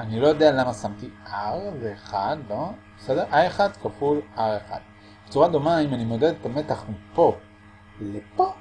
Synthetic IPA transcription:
anilojo̞d̪ealamasamt̪iʔaʁveːχad̪bobesedeʁʔaeχad̪kafulaʁeχa̰d̥̪̚ | b̥et͡suʁad̪o̞maimanimo̞ded̪et̪ame̞t̪aχmipo̞ | lepo

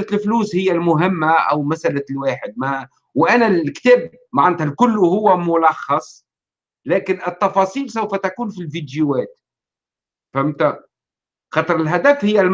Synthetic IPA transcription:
lt̪ɪlfluːshɪjːælmʊɦɪmːaʔæ̰wmæsʔalalwaːħɪd̪̚mæ | wʔænælkt̪æːb | maʕant̪hælkʊlːhʊwːæmʊlɑxːɑsˤ | læːkɪnʔɪt̪ːɑfɑsˤiːlsawfæt̪akuːnfilvid̪juwæːt̪ | fhɪmt̪æ | xɑt̪ˤɾˤɪlɦæd̪æfhɪjːæl

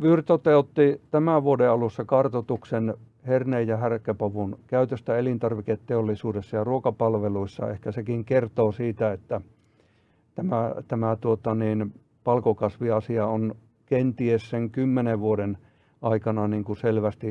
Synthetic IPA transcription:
ʋyrt̪ot̪eut̪ːit̪æmæʋuodeɑlusːɑkɑrt̪ot̪uksen | herneijjɑhærkːˑøpoʋunkæyt̪øst̪æelint̪ɑrʋiket̪teolːisuːdesːɑjɑruokɑpɑlʋeluisːɑ̰ḛhkæsekiŋkert̪oːsiːt̪æet̪ːæ | t̪æmæt̪æmæt̪uot̪ɑniːn | pɑlkokɑsʋiɑsiɑon | kent̪iesseŋkymːeneʋʋuoden | ʔɑikɑnɑniːŋkuselʋæst̪i

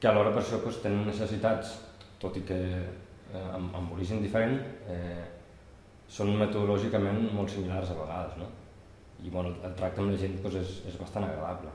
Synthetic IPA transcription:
kəəlɔɾəpəɾʃɔpɔst̪enənːəsəsit̪at͡st̪ot̪ikə | ə̰mə̰mbuliʒəmd̪ifəɾenɛ | sonmət̪uðulɔʒikəmenmɔlˠt̪similarzəβ̞əɣ̞aðəzno | iβɛnuəlˠt̪ɾak̚t̪əmləʒent̪pɔzezezβɐst̪anəɣɾəðaβlə

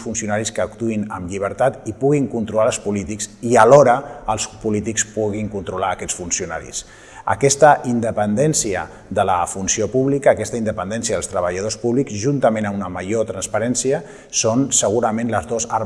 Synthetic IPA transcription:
sfunsiunaɾiskəːkt̪uinəmʎiβ̞əɾt̪at̪ipuɣiŋkunt̪ɾulalˠspulit̪iksiəlɔɾəəlˠspulit̪ikspuɣiŋkunt̪ɾulaəkɛsfunsiuna̰ɾḭs | ə̰kɛst̪əʔind̪əpənd̪ɛnsiə̰ | ðələ̰funsiopuβlikəːkɛst̪əind̪əpənd̪ɛnsijəðəlˠst̪ɾəβəʎəð̞ospuβlikzʒunt̪əmẽnəmunəməʒot̪ɾənspəɾɛnsiə | sonsəɣ̞uɾəmenləzðozaɾ

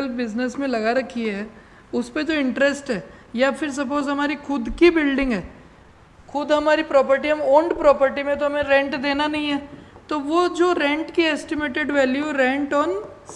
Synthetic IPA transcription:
əlbɪznesmẽlɐɡaɾɐkʰiɦɛ | ʊsped͡ʒoɪ̃ɳʈɾɛsʈɦɛː | jafʰɪɾs̬ɐp̬oːzɦɐmaːɾixʰʊd̪kibɪlɖɪ̃ŋɡɦɛː | xʊd̪ɦɐmaːɾipɾɔːpəɾʈiɦɐmoːɳɖpɾɔːpəɾʈimẽt̪oɦɐmẽɾɛ̃ɳʈd̪eːnanɐɦĩɦɛːt̪oʋod͡ʒoːɾɛ̃ɳʈkieːsʈɪmeːʈeɖʋɛːljuɾɛ̃ɳʈɔːn | s

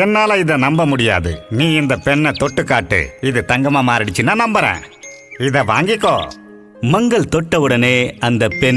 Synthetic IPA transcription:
ɛnːaːlɐɪðɐnɐmbɐmʊɽɪja̰ːðɯ̰niːɪnd̪ɐpɛɳːɐt̪ɔʈːɯkːaːʈːɯ̰ɪðɯt̪ɐŋɡɐmaːmaːɾɪɽɪt͡ʃːɯnːaːnɐmbɐɾḛ̃ː | ɪðɐʋa̰ːŋɡɪkːõ̰ː | mɐŋɡɐɭt̪ɔʈːɐʋɯɽɐneːɐnd̪ɐpɛn

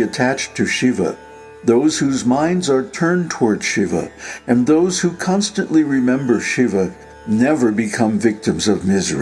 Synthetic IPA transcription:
ɨtʰæt͡ʃtʰɨʃivə̰ | ðoʊz̥hʉzmãɪ̃ndzə˞tʰɜ̃˞ntʰəwɔɹd̥ʃivə̰ɨ̃nðoʊz̥hukʰɑ̃nstɨ̃nʔliɹɪmɛ̃mbə˞ʃivə | nɛvə˞bɨkʰʌ̃mvɪk̚tɨ̃mzʌvmɪzə̰˞i

